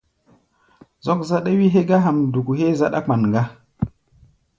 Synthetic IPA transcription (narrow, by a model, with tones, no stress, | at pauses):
zo˦kza˦ɗa˦wi˦ɦe˦ɡa˦ɦa˨mdu˨ku˨he˦za˦ɗa˦k͡pa˨nŋɡa˦